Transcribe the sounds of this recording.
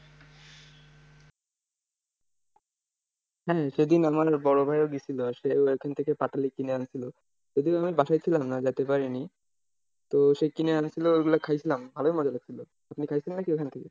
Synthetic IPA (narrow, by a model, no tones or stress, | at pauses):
ɦɛʃed̪inamaɾbɔɾobʱajoɡit͡ɕʰiloʃeoekʰant̪ʰekepaʈʰalikineant͡ɕʰilo | d͡ʑod̪iamibaʃajt͡ɕʰilamnad͡ʑat̪epaɾini | t̪oʃekineant͡ɕʰiloeɡulakʰajt͡ɕʰilambʱaloimɔd͡ʑalaɡ̚t͡ɕʰilo | apnikʰajt͡ɕʰilenːakiekʰant̪ʰeke